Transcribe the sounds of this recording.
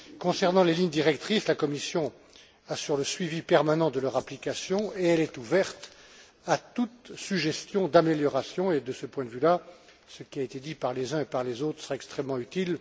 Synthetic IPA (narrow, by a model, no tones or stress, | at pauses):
kɔ̃sɛʁnɑ̃leliɲd̪iʁɛkt̪χislakɔmisjɔ̃ | asyʁləsɥivipɛʁmanɑ̃d̪əlœʁaplikasjɔ̃eɛlɛt̪uvɛʁt̪ | at̪ut̪syʒɛst̪jɔ̃d̪ameljɔʁasjɔ̃ed̪əsəpwɛ̃d̪əvyla | səkʲiaet̪ed̪ipaʁlezɛ̃epaʁlezot̪χə̥səʁaɛkst̪χɛmːɑ̃yt̪il